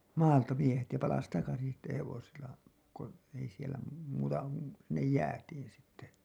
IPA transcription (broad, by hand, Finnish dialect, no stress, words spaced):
mɑːltɑ miehet jɑ pɑlɑs tɑkɑsin̞ sitːe heʋosilˑɑ ko ei sielæ muːtɑ sinːej jæːtiːn sitːe